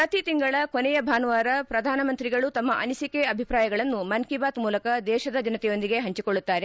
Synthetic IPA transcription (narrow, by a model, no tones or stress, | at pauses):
pɾɐt̪it̪iŋɡɐɭɐkonɛjɐbʱaːnʋaːɾɐpɾɐd̪ʱaːnɐmɐnt̪ɾiɡɐɭut̪ɐmːɐʔɐ̰nisikeɐbʱipɾaːjɐɡɐɭɐnːumɐnkibaːt̪muːlɐkɐd̪ɛːʃɐd̪ɐd͡ʒɐnɐt̪ɛjo̞nd̪iɡe̞ɦɐɲt͡ʃikoɭːut̪ːaːɾe̞